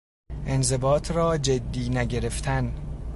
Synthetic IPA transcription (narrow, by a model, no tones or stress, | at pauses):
ʔe̞nze̞bɒːt̪ʰrɒːd͡ʒed̪ːiːnæɟe̞ɾe̞ft̪ʰæn